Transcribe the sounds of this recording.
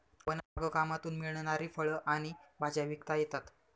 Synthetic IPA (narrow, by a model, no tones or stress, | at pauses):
ʋənaɡəkamat̪uːnmiɭɳnaɾiːfəɭəʔaɽ̃ibʱad͡ʑaʋikt̪ajet̪at̪